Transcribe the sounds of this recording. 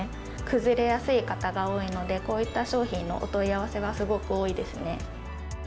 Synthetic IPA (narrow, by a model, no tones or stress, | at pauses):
kɯ̟zɨɾe̞jasɨikat̪aɡao̞ːino̞d̪e̞ko̞ːit̪ːaɕo̞ːçĩnːo̞̰ʔo̰t̪o̞iaβ̞ase̞ɡasɨɡo̞kɯ̟oːid̪e̞sɨne̞